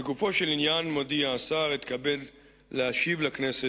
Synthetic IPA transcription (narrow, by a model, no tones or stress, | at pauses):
eɡufo̞ʃe̞linjanmo̞diaːsaʁit̪kabe̞d | lːeaʃivlaknese